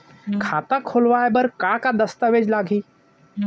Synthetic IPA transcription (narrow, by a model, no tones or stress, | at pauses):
kʰaːt̪akʰoːlʋaːebəɾkakad̪əst̪əʋeːd͡ʒlaːɡʱiː